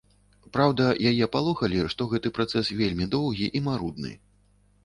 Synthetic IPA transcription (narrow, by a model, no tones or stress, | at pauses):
pɾawd̪ɐjajɛpalˠɔxɐlʲiʂt̪ɔɣɛt̪ɨpɾat̪sɛsvʲelʲmʲid̪ɔwɣʲiʔimaɾud̪̚nɨ̰